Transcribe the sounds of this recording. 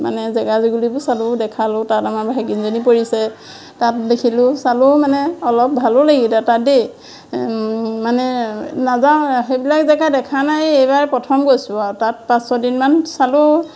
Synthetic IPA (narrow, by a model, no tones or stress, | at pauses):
ma̰nɛzɛɡaziɡulibʊsalʊdɛkʰalʊtatamaɹbʱajɡinzonipoɹisɛ | tat̚dekʰilʊsalʊmanɛɔlɔp̚bʱalʊlaɡitatade | manɛnazãxejbilakzɛɡajdɛkʰanajejbaɹpɹɔtʰɔmɡojsʊaɹtat̚pãsɔdinmansalʊ